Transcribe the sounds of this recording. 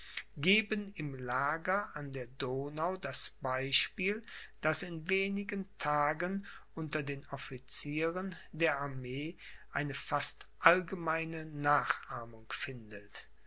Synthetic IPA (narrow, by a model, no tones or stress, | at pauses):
ɡeːbənɪmlaːɡɐʔandeːɐdoːnaʊdasb̥aɪʃpiːld̥asɪnveːnɪɡəntʰaːɡənʔʊntɐdeːnɔfit͡siːʁəndeːɐaɐmeːʔaɪnəfastʔalɡəmaɪnənaːχʔaɐmʊŋfɪndət